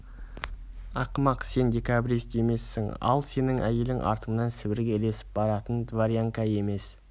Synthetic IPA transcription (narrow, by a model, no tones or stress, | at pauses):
ɑqəmɑqse̞nd̪ʲe̞kʲabɾist̪e̞me̞sːɪŋɑ̰lˠse̞nɪŋʔæje̞lɪŋʔɑ̰ɾt̪əmnɑnsɪbɪɾɡʲele̞sɪ̥p̚bɑɾɑt̪ənd̪vaɾjaŋkae̞me̞s